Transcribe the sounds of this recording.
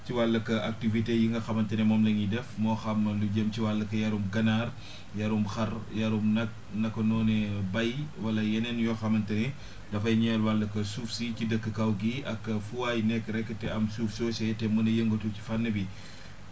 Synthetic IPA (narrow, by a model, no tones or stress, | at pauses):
ciwalːɐkɐak̚tivitejiŋɡɐxɐmɐntɐnɛmɔːmlɐɲidɛfmɔːxɐmluɟəmciwalːɐkɐjɐɾumɡɐnaːr | jɐɾumxɐrjɐɾumnɐk̚ | nɐkːɔnɔːnɛbɐjwɐlɐjɛnɛnjɔxɐmɐntɐnɛ | dɐfɐjɲɛlwalːɐkɐsufsicidəkːəkɐwɡiʔɐkːɐfuwaːjnɛkːɾɛkːətɛɐmsuːfsɔsɛtɛmɐnɐjəŋɡotuci̥fanːəbi